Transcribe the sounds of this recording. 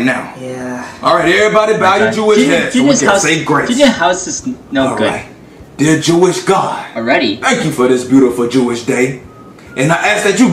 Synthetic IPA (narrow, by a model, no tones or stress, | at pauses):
naʊjæɔlˠɹaɪɾɛvɹibɑɾiəbaʊjɨd͡ʒuɪdʃɛ̥ɨəaʊseɪɡɹeɪdɨdjəhaʊsɨsnoʊɹɡʊ̰ɪt̚ | d̥ɪɹd͡ʒuɪʃɡ̥aɪɪɹɛɾḭθæ̃ŋkjɨfə˞ðɪsb̥jʉɾəfl̩ˠd͡ʒuɪʃd̥eɪ | ʔɨ̃naɪʔæs̚ðɨt͡ʃɨ